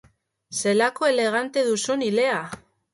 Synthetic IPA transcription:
se̞lako̞e̞le̞ɣ̞ant̪e̞ðusunile̞a

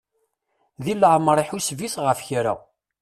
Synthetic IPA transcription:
ðilːəʕməɾˤiħusviθʁəfçɾa̰

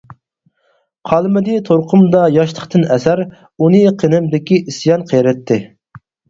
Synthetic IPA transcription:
qʰɑlˠmɪd̪ɪt̪ʰoɾqʰʊmd̪ɑjɑʃlˠəχt̪ɨnɛsæɾ | unɨqʰenɪmd̪ɪkʲiisjɑnqʰejɾɛt̪ʰːɪ

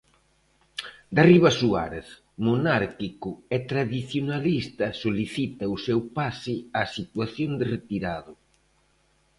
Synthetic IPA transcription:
d̪ariβasua̰ɾeθ | monaɾkikʊɛt̪ɾaðiθjonalist̪ɐsoliθit̪ɐusewpasɪasit̪waθjond̪ɪret̪iɾaðʊ

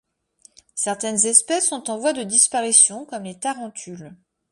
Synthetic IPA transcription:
sɛʁt̪ɛnzɛspɛsːɔ̃t̪ɑ̃vwad̪əd̪ispaʁisjɔ̃kɔmlet̪aʁɑ̃t̪ʰyl

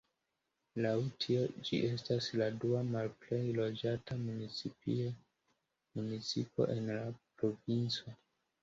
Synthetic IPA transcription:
lawtʰio̞d͡ʒḭʔe̞stasladuamalple̞jlo̞d͡ʒatamunit͡sipḭ | munit͡sipo̞̰ʔe̞nlapɾo̞vint͡so

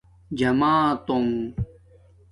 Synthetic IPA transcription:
d͡ʑɐmaːt̪om

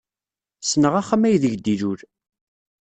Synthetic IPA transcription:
snəʁaχamæjðəʝd̪iɾuɾ

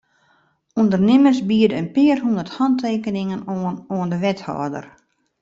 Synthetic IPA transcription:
undərnɪməsbiədəənpɪərɦundərthɔntʰeːkənɪŋənənoəndəʋɛthɔ̰ːdə̰r

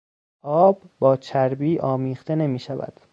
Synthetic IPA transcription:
ʔɒːbːɒːt͡ʃʰæɾbiːʔɒːmiːχt̪e̞ne̞miːʃævæ̰d̪̥

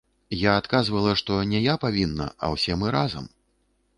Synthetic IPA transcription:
jaːt̪kazvɐlˠɐʂt̪ɔnʲɛjapavʲinːɐ̰ɐ̰wsʲɛmɨɾazɐ̰m

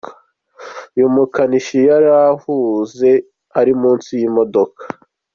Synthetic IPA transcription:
jumukaniʃijaɾahuze̞ | haɾimuːnsijimo̞do̞kḁ

